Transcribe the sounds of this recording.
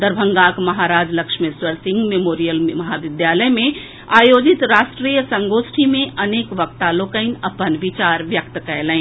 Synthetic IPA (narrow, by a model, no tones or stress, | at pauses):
d̪əɾbʱə̃ŋɡaːkmɐɦaɾaːd͡ʒləkʃmeswəɾsɪ̃ŋɡmemoːɾijəlmɐɦaʋɪd̪jaːləjmẽ | aːjoːd͡ʒɪt̪ɾaːʃʈɾijəsə̃ŋɡoːsʈʰimẽʔɐneːkʋək̚t̪aːloːkəɪnɐpənʋɪt͡ʃaːɾʋjək̚t̪kəelə̃